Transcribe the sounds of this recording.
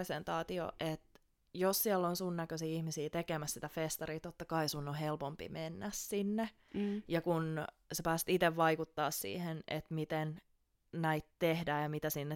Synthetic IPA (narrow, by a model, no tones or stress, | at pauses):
esent̪ɑːt̪io̰ʔet̪ | jossiɛlːonsunnækøsiːihmisiːt̪ekemæssi̥t̪æfest̪ɑɾriːt̪ot̪ːɑkɑisunːohelpompḭmenːæssinːe | jɑkun | sepæːst̪it̪eʋʋɑikut̪ːɑːssḭːhenʔḛt̪mit̪en | næit̪t̪ehdæːjɑmit̪æsinːe